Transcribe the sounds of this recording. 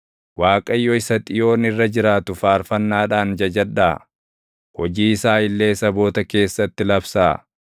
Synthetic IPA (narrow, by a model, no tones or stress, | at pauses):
waːkʼɐjːɔɪsɐt̪ʼɪjo̞ːnɪrːɐd͡ʒɪɾaːt̪ʊfaːɾfɐnːaːᶑaːnd͡ʒɐd͡ʒɐᶑaː | hɔd͡ʒiːɪsaːɪlːe̞ːsɐbo̞ːt̪ɐke̞ːsːɐt̪ːɪlɐbsaː